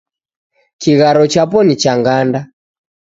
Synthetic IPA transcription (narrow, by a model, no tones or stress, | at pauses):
kiɣaɾɔt͡ʃapɔnit͡ʃaŋɡanda